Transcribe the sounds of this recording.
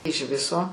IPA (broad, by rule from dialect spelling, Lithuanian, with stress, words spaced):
ɪʃ ˈʋʲɪsoː